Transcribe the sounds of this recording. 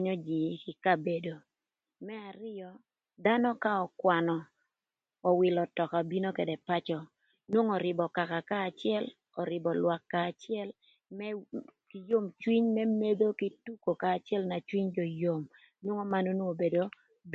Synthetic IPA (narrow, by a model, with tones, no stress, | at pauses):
ɲɔ˦d͡ʒi˨˦kɪ˨ka˦be˨do˨ | mɛ˦a˨ɾɪ˦ɔ˦ | d̪a˦nɔ˦ka˦ɔ˨kwa˨nɔ˨ | ɔ˨wɪ˨lɔ˨tɔ˨ka˨bi˦no˦ke˨dɛ˨pa˦t͡ʃɔ˨ | nwo˦ŋɔ˨ɾɪ˨bɔ˨ka˨ka˨kaː˦˨t͡ʃɪɛ˦l | ɔ˨ɾɪ˨bɔ˨lwa˨kːaː˨t͡ʃɪɛ˦l | mɛki˨jo˦mt͡ʃwi˦ɲmɛ˦me˦d̪o˦ki˦tu˦ko˨kaː˨t͡ʃɛ˦lna˨t͡ʃwi˦ɲd͡ʒɔ˨jo˨m | nwo˦ŋo˦ma˦no˦no˦o˨be˨do˦ | b